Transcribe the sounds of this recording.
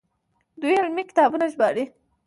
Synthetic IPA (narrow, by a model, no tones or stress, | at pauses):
d̪ujɪlmikɪ̥t̪ɑbunaʒbɑɽi